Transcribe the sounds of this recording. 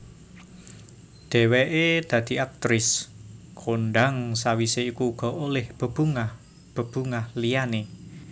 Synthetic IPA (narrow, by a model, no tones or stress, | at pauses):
ɖ̪̥ɛ̤wɛʔed̪̥ä̤d̪̥i̤ak̚t̪ɾɪskʰonɖaŋsawiseikuːɡ̥ɔ̤olɛhb̥ə̤b̥uŋah | b̥ə̤b̥uŋahlijane